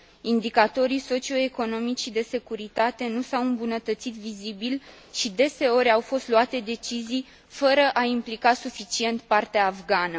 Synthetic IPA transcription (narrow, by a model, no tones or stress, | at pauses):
ind̪ikat̪o̞ɾiso̞t͡ʃio̞e̞ko̞no̞mit͡ʃid̪e̞se̞kuɾit̪at̪e̞nusawɨmbunət̪ət̪sit̪vizibil | ʃid̪e̞se̞o̞ɾʲawfo̞st̪luat̪e̞d̪e̞t͡ʃizij | fəɾəʔaimplikasufit͡ʃie̞nt̪̚part̪eaːvɡanə